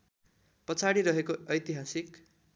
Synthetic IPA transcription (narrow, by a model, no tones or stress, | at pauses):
pʌt͡sʰaɽiɾʌɦekoʌjt̪iɦasik